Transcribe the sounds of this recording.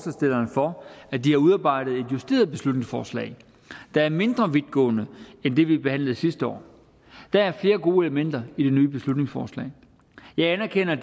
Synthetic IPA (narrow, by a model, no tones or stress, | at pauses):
sæsd̥e̝l̰ɐːnfɒ̽æd̥ihɑ̈uðˠɑ̈ːb̥ɑ̈ɪ̰d̥ð̩ˠe̝d̥jusd̥e̝̰ːɐð̞̩ˠb̥e̝slud̥ne̝ŋsfɒ̰ːslɛ̰ɪ | d̥ɑ̈æɐme̝nd̥ʁɐʋid̥ɡ̥ɔ̰ːnəend̥e̝ʋib̥e̝hæn̰lð̩ˠsisd̥əɒ̰ː | d̥ææɐfle̝ːɐɡo̝̰ːe̝ləmen̰d̥ɐid̥e̝nyːb̥e̝slud̥ne̝ŋsfɒ̰ːslɛ̰ː | jɑ̈ɪænæɐkʰen̰ɐ